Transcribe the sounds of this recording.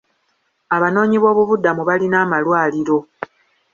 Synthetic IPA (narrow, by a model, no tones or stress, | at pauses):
aβano̞ːɲiβo̞ːβuβudːamuβalinaːmalwaːliɾo̞